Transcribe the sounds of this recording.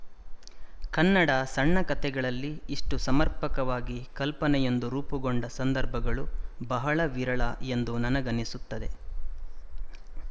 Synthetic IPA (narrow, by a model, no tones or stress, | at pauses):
kɐnːɐɽɐsɐɳːɐkɐt̪ɛɡɐɭɐlːiːʂʈusɐmɐɾpɐkɐʋaːɡikɐlpɐnɛje̞nd̪uɾuːpuɡoɳɖɐsɐnd̪ɐɾbʱɐɡɐɭubɐɦɐɭɐʋiɾɐɭɐe̞nd̪unɐnɐɡɐnisut̪ːɐd̪e̞̰